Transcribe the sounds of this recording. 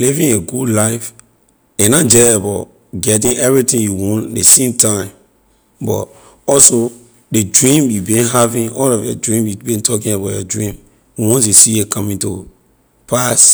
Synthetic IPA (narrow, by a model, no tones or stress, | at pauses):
livĩŋeɡudlaɪf | enad͡ʒɛebaʊt | ɡɛt̬ĩnɛvɹitĩŋjuwɔ̃ndesẽmtãɪ̃m | bɔ̰t | ɔlso | dedɹĩmjubĩnɦavĩnɔlɔfjɔdɹĩmjubĩntʰɔk̬ĩnabajɔdɹĩm | wiwɔ̃nsesijekʰɔ̃mĩnto | pʰas